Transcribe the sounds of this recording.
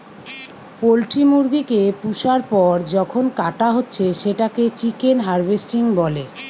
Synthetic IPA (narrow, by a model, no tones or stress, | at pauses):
polʈimuɾɡikepuʃaɾpɔɾd͡ʑɔkʰonkaʈaɦotːɕʰeʃeʈaket͡ɕikenɦaɾbesʈiŋbɔle